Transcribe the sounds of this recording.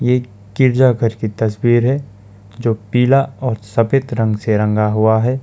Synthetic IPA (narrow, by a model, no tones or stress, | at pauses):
jeː | kɪɾd͡ʒaɡʱəɾkit̪ɐswiːɾɦɛ | d͡ʒoːpiːlaɔːɾsɐpet̪ɾə̃ŋɡseɾɐ̃ŋɡaɦuaɦɛː